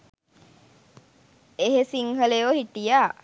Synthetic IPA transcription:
eɦesiŋɦəlejohiʈijaː

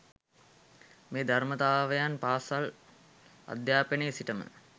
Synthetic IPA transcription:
meːd̪armət̪aːʋəjanpaːsal | a̰d̪jaːpenesiʈəmə̰

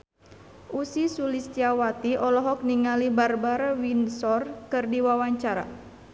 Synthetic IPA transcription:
ʔusisulist̪iawat̪iʔɔlɔɦɔk̚niŋalibarbaɾawinsɔrkɨrdiwawaɲt͡ʃaɾa̰

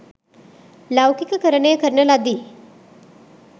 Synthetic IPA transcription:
lawkikəkəɾəɳejkəɾnəlad̪i

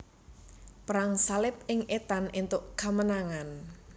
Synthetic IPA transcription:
pɾaŋsalɪp̚ɪŋʔet̪anint̪ʊʔkamənaŋan

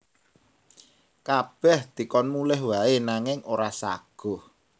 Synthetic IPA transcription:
kab̥ɛhd̪̥i̤kɔnmulɛhwaenaŋɪŋoɾasa̰ɡ̥ɔ̤h

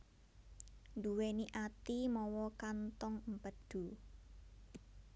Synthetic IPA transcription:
nd̪uweniʔat̪imɔwɔkant̪ɔŋmpəd̪̥ṳ

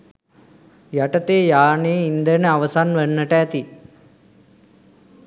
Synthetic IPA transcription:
jaʈət̪eːjaːneːind̪ənəaʋəsanʋənːəʈəæt̪i

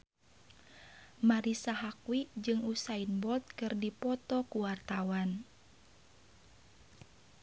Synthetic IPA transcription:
maɾisaɦakwid͡ʒɨŋusainbɔt̪̚kɨrdipɔt̪ɔkuwart̪awan

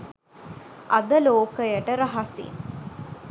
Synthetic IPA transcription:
ʔɐd̪əloːkəjəʈəɾɐɦɐsḭn

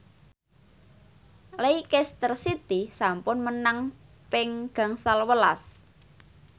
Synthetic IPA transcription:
leikɛst̪ərsit̪isampʊnmənaŋ | pɪŋɡ̥ä̤ŋsalwəlas

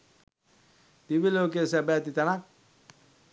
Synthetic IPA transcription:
d̪ibilok̬esɛbɛt̪it̪anak̚

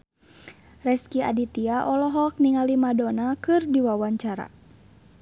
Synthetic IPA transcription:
rɛskia̰dit̪iaʔɔlɔɦɔk̚niŋalimadɔnakɨrdiwawaɲt͡ʃaɾa̰

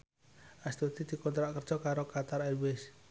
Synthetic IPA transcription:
ast̪ut̪id̪̥i̤kɔnt̪ɾaʔkərd̥ʒ̥ɔkaɾokat̪aɾalwes

